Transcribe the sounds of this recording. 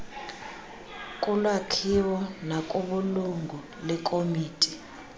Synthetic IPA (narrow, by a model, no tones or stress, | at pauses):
kʼulwakʰiwɔnakʼuɓuluŋɡʱu | lɛkʼomiːtʼi